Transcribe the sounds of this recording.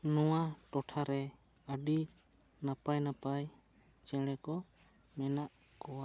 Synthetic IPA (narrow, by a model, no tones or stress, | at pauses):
nɔwaʈɔʈʰaɾɛ | əɖi | napajnapaj | t͡ʃɛɽ̃ɛkɔ | mɛnaʔ | kɔwaʔ